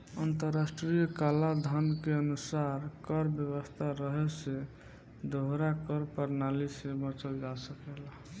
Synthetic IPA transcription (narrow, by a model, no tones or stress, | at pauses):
ənt̪əɾːasʈɾijəkalad̪ʱənkeənusaɾkəɾbjəbəst̪ʰaɾəɦɛse | d̪ʱoɦɾakəɾpəɾnalisebət͡ʃəld͡ʒasəkela